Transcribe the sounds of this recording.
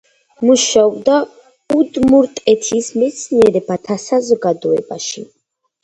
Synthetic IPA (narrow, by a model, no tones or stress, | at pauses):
muʃaɔbd̪a | ud̪muɾt̪ʼɛt̪ʰismɛt̪sʰniɛɾɛbat̪ʰasazɔɡad̪ɔɛbaʃi